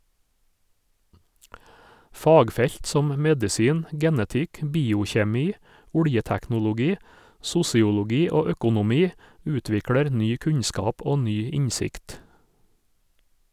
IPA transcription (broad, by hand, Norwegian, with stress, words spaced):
ˈfɑːɡˌfɛʎt ˈsɔm ˈmɛdɪsiːn ˈɡɛnətɪk ˈbiːʊçeːˌmiː ˈʊɽjətæknʊlʊˌɡiː ˈsʊsɪʊlʊˌɡiː ˈoː ˈœkʊnʊˌmiː ˈʉːtʋɪkɽɛɾ ˈnyː ˈkʉɲskɑːp ˈoː ˈnyː ˈɪɲsɪkt